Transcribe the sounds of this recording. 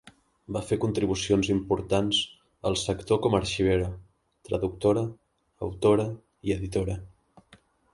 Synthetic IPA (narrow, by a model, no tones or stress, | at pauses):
bafekunt̪ɾiβusionzimpuɾt̪anz̥ | əlˠsəkt̪okɔməɾʃiβ̞eɾə | t̪ɾə̰ðuk̚t̪oɾə̰ː | wt̪oɾə | iəðit̪oɾə